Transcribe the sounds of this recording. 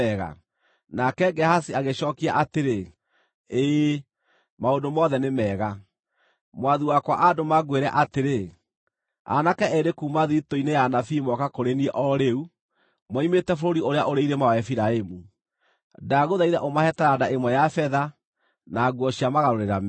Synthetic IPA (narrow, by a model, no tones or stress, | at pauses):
ɛɣa̰ | nakɛɡɛhasiaɣeʃɔkiaʔateɾe | eː | maondomɔðɛnemɛːɣa | mwaðiwakwa̰ʔadomaɡweɾɛʔateɾe | a̰nakɛɛɾekuːmaðiitoinejanafimɔkakoɾeniɛʔɔɾeu | mɔimetɛfoɾoɾioɾeaʔoɾeiɾemaɛfiɾaemu | daɣoðaiɾɛ̰ʔomahɛtaɾadaʔemwɛjafɛða | naɡwɔɕiamaɣaɾoɾeɾam